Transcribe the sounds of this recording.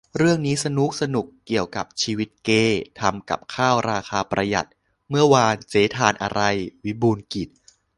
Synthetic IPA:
ɾɯ˥˩əŋniː˦˥sa˧nu˦˥k̚sa˧nu˨˩kːi˨˩əwka˨˩p̚t͡ɕʰiː˧wi˦˥t̪̚keː˧t̪ʰa˧mka̰˨˩p̚kʰaː˥˩wɾaː˧xʰaː˧pɾa˧ja̰˨˩t̪̚ | mɯ˥˩əwaː˧nseː˩˦t̪ʰaː˧nʔa̰˧ɾa˧jwi˦˥buː˧nki˨˩t̪̚

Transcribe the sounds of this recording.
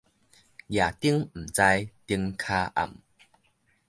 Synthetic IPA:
ja˨˩t̪i˦əŋm̩˨˩t͡sa˧jt̪i˧əŋkʰa˦ʔa̰˨˩m

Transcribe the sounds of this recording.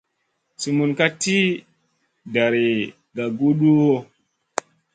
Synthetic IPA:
su˨mu˨nka˦ti˦ | da˨ɾi˨ | ɡa˨ɡu˦ɗu˦wo˦

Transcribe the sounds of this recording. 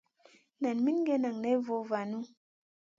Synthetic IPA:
na˨nmi˦n˦ɡe˦na˨ŋne˦vo˨va˨nu˦

